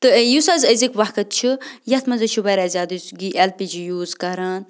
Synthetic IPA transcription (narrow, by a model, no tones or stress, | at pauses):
t̪ɨjusazəzikʋɐkɐt̪̚t͡ʃʰijɐt̪ʰmɐzɐʃuʋɐɾazʲaːd̪ɨsɡiʔelpid͡ʒijuːzkɐɾaːn